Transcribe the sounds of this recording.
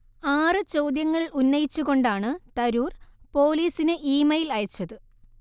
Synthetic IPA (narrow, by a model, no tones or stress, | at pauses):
aːrɨt͡ɕo̞wd̪jɐŋːɐɭunːɐjit͡ɕːuɣo̞ɳɖaːɳɨt̪ɐɾuːrpo̞ːliːsinɨʔiːmɐjilɐjɐt͡ɕːɐðɨ